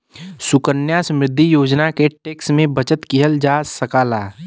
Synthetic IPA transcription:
sʊkənjaːsmɾɪd̪ʱːijoːd͡ʒnakeʈeːksmẽbət͡ʃət̪kiɦəld͡ʒaːsəkaːlaː

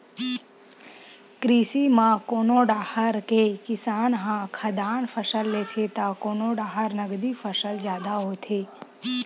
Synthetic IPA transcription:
kɾiːsimãkoːnoːɖaːhəɾkekɪsaːnɦãkʰɐd̪aːnpʰəsəlːeːt̪ʰet̪akoːnoɖaːɦəɾnəɡd̪ifəsəld͡ʒjaːd̪aɦoːt̪ʰeː

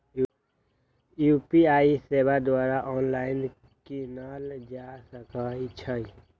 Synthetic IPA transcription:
juːpiaːiseːbad̪waːɾaʔɔːnlaːɪn | kinaːld͡ʒasəkait͡ʃʰəi

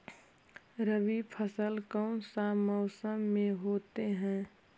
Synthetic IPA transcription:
ɾəʋipʰəsəlkɔʊnsamɔʊsəmːẽɦoːt̪eɦɛ̃ː

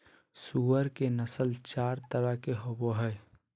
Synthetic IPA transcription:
suəɾkenəsəlt͡ʃaːɾt̪əɾakeɦoboɦəɪ

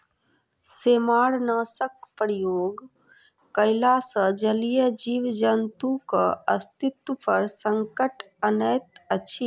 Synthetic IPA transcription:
seːmaːɽnəsəkpɾjoːɡ | kəɪlasəd͡ʒəlijəd͡ʒiːʋd͡ʒənt̪uka̰ə̰st̪ɪt̪wəpəɾsə̃ŋkəʈ | ənəjt̪ət͡ʃʰi

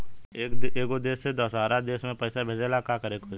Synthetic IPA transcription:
eːkod̪eːsːed̪əsaːɾad̪eːsmẽpəɪsabʱeːd͡ʒelaːkakəɾekod͡ʒ

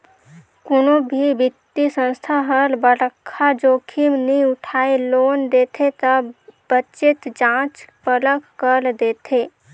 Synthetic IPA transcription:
kʊnobʱibɪt̪ːisə̃nst̪ʰaɦəɾbəɽəkʰːad͡ʒoːkʰimnĩʊʈʰaːeloːnd̪eːt̪ʰet̪əbət͡ʃɪt̪d͡ʒãːt͡ʃpələkkəɾd̪eːt̪ʰeː

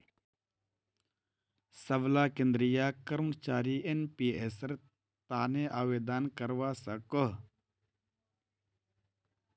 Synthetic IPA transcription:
sɐblaːkẽnd̪ɾɪjaːkəɾmt͡ʃaːɾiːʔenpiːesəɾ | t̪aːneʔaːweːd̪aːnkɐɾwaːsɐkəɦ

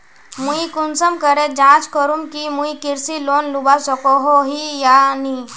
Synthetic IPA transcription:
mũikunsəmkəɾed͡ʒãt͡ʃkəɾuŋkimũikiɾsilonlubasɔkoɦoɦijani

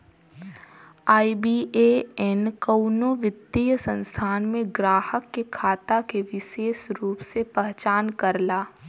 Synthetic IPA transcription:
aːibiːeɛnkɐʊnoʋɪd̪ijəsə̃nst̪ʰaːnmẽɡɾaːhəkːekʰaːt̪akeʋɪʃeːʃɾuːpsepɛɦt͡ʃaːnkɐɾlaː

